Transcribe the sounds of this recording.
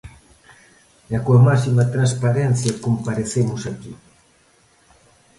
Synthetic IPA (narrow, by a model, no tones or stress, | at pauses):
jakuamasimat̪ɾanspaɾɛn̟θjɐkompaɾeθemʊsaki